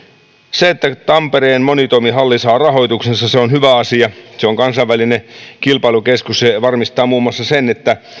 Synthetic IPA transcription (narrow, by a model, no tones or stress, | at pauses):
seet̪ːæt̪ɑmpeɾeːnmonit̪omiɦɑlːisɑːrɑɦo̞ijt̪uksesːɑseonhyʋæɑsiɑseoŋkɑnsɑʋʋælinekilpɑilukeskusseʋɑrmist̪ɑːmuːmːɑsːɑsenet̪ːæ